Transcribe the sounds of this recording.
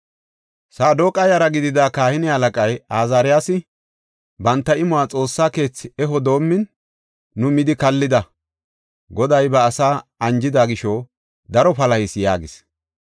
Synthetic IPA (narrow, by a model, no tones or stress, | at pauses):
saːd̪oːkʼɐjɐɾɐɡɪd̪ɪd̪aːkaːhɪnɪhɐlɐkʼɐjaːzaːɾɪjaːsɪ | bɐnt̪ːɐɪmʊwaːt͡sʼo̞ːsːaːke̞ːt͡sːɪɛɦɔd̪o̞ːmːɪnː | ʊmɪd̪ɪkɐlːɪd̪ɐ | ɡɔd̪ɐjbɐːsaːɐnd͡ʒɪd̪aːɡɪʃɔ | d̪ɐɾɔpɐlɐhɪsja̰ːɡɪs